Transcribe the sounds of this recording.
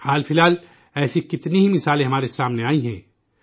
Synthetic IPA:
haːlfɪlaːl | ɛːsikɪt̪niɦimɪsaːlẽɦɐmaːɾesaːmneaːiɦɛ̰̃ː

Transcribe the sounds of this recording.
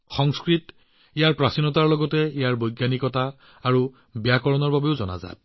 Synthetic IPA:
xɔŋskɹit | ijaɹpɹasinɔtaɹlɔɡɔtɛijaɹbojɡjanikɔtaː | ɹu | bijakɔɹɔnɔɹbabeʊzɔ̰na̰za̰

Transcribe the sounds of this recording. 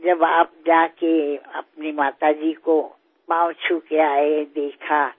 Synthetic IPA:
d͡ʒəbaːp̚d͡ʒaːkeə̰p̚nimaːt̪ad͡ʒiko | pãwt͡ʃʰukeaːed̪eːkʰa

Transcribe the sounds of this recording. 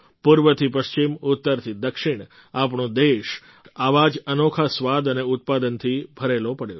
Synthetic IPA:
puɾʋət̪ʰipəʃt͡ʃimʊt̪ːəɾt̪ʰid̪əkʃɪɳ̃ | apɳõd̪eʃ | aʋad͡ʒənokʰasʋad̪əneʊt̪̚pad̪ənt̪ʰibʱəɾelopəɽjo

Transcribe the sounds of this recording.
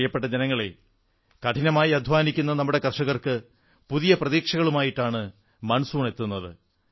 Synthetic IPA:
jɐpːeʈːɐd͡ʑenɐŋːɐɭe | kɐʈʰinɐmaːjiɐd̪ʱʋaːnikʲːunːɐnɐmːuɽe̞kɐrʂɐɣɐrkɨ | puðijɐprɐðiːkʂɐɣɐɭumaːjiʈːaːɳɨ | mɐnɐsuːɳe̞t̪ːunːɐðɨ

